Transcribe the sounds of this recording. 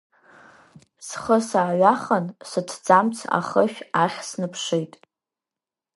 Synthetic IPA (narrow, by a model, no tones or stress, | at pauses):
sχəsaːɥaχənsɨtʰd͡zamt͡sʰa̰χəʃʲᶣaχʲsnɨpʰʂejtʼ